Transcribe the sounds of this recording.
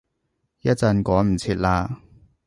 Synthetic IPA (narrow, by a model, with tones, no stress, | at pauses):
jɐ˥t̚t͡sɐ˧nkɔː˨˥jm̩˨˩t͡sʰiː˧t̚laː˧